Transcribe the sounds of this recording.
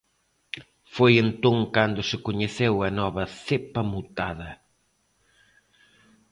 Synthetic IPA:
fojent̪õŋkand̪ʊsɪkoɲeθewɐnɔβɐθepɐmut̪aðɐ

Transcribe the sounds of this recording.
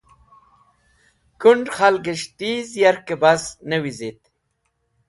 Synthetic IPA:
kuɳɖxalɡeʃt̪izjaɾkebasnəwizit̪̚

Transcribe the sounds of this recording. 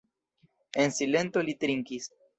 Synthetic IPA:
e̞nsile̞nt̪o̞lit̪ɾiŋkis

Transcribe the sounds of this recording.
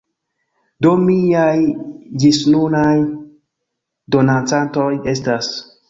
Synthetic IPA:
domiajd͡ʒisnunaj | do̞nant͡santo̞je̞stas

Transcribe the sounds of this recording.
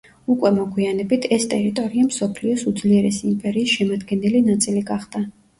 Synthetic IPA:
ukʼwɛmɔɡʰwianɛbit̪ʰɛst̪ʼɛɾit̪ʼɔɾiamsɔpʰliɔsud̪zliɛɾɛsiːmpʼɛɾiːsʃɛmad̪ɡɛnɛlinat̪sʼiliɡaχd̪̥a

